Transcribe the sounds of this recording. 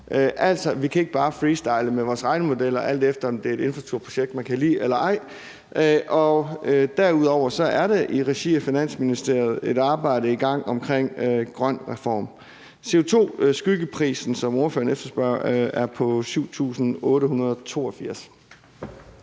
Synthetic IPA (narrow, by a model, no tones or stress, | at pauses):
ʔʔæl̰sɒ̽ʋikʰæe̝ɡ̥əb̥ɑ̈ːfʁiːsd̥ɑ̈ɪləmeʋɒːsʁɑ̈ɪnəmo̝d̥el̰ɐʔæl̰d̥efd̥ɐɒ̽md̥e̝æɐe̝ɾe̝nfæt͡sʰuɐpʰʁo̝ɕeɡ̥̚d̥mænkʰælḭːelɐɑ̈ɪ̰ | ʔʔɒ̽d̥æɐuð̞ˠɒʊ̰ɐsɒ̽ʔæɐɾ̥eʔiʁɛɕḭɒfinæn̰sminisd̥e̝ɐ̰ð̩ˠe̝ɾ̥ɑ̈ːb̥ɑ̈ɪ̰ɾəiɡ̥ɑ̈ŋ̰ɒ̽mkʰʁeŋ̰ɡ̥ʁɶn̰ʁɛfɒ̰ːm | se̝o̝t͡sʰo̝̰ːsɡ̥yɡ̥əpʰʁḭːsn̩sɒ̽mo̝ɐfø̰ɐnefd̥ɐsb̥ɶɐ̰æɐpʰɒ̽syʊ̰t͡sʰṵːsn̩ɔ̽ːɾəɦunɐð̞ˠɒt͡sʰo̝̰ːɒfiɐ̰s